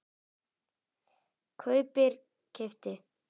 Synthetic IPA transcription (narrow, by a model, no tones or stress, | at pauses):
kʰœɥpɪɾ̥ | cʰɛft̪ɪ